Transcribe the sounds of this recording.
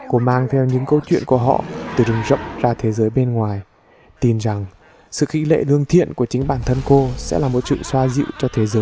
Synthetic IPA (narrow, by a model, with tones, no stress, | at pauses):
ko˨˦maː˧ŋt̪ʰɛ˧wɲɨ̰˧˥ŋkə˧wt͡ɕwḭ˧˨ənku˧˩əɦɔ̰˧˨t̪ɨ˨˩ɗɨ˨˩ŋzə̰˧˥wŋ͡m̚zaː˧t̪ʰe˨˦zəː˨˦jɓe˧nŋwaː˨˩j | t̪i˨˩nza˨˩ŋ | sɨ̰˧˨xḭ˧˥lḛ˧˨lɨ˧əŋt̪ʰḭ˧˨ənku˧˩ət͡ɕi˨˦ŋ̟ɓaː˧˩nt̪ʰə˧nko˧sɛ̰˧˥laː˨˩mo˨˩t̚sɨ̰˧˨swaː˧zḭ˧˨wt͡ɕɔ˧t̪ʰe˨˦zəː˨˦j